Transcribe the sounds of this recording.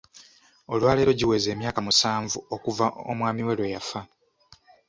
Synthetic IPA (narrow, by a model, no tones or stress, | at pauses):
o̞lwaːleːɾo̞ɟiwe̞ːze̞ːmjaːkamusaːɱvuo̞kuvao̰mwaːmiwelwejafa